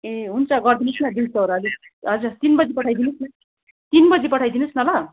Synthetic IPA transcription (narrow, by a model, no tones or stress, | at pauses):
eɦunt͡sʰʌɡʌrd̪inusnad̪int͡sʰʌoɾaʌd͡zi | ɦʌd͡zat̪inbʌd͡zipʌʈʰajd̪inusna | t̪inbʌd͡zipʌʈʰajd̪inusnʌlʌ